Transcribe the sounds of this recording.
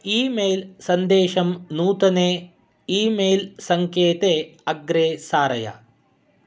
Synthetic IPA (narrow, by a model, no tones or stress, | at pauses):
iːmeːlsɐnd̪eːʃɐmnuːt̪ɐneː | iːmeːlsɐŋkeːt̪eːɐɡɾeːsaːɾɐjɐ̰